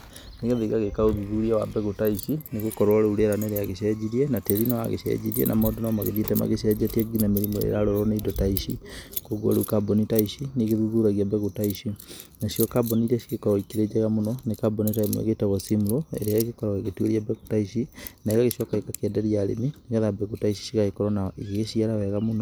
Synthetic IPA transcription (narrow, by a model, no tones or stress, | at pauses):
neɣeðiɣaɣekaoðuðuɾiawabɛɣotaiʃineɣokɔɾwaɾeuɾeɾaneɾeaɣeʃɛd͡ʑiɾiɛnateɾinawa̰ɣḛʃɛ̰ɟiɾiḛnʔa̰mɔdonɔmaɣḛðietɛma̰ɣeʃ̬ɛd͡ʒatieɡinameɾimoḛɾaɾɔɾɔneidɔtaiʃḭkoɣo̰ɾeukabɔnitaiʃineɣeðuðuɾaɣiabɛɣotaiʃinaʃijɔkabɔniɾɛʃiɣekɔɾɔikeɾed͡ʒɛɣamonɔnekabɔnitaimoḛɣetaɣɔsimuɾoḛɾeaɣekɔɾɔɣeɣetueɾiabɛɣotaiʃinaiɣaɣeʃɔkaikakeɛdɛɾiaɾḛmineɣaðabɛɣotaiʃi̥ʃiɣaekɔɾɔnaiɣeɣeʃiaɾawɛɣamonɔ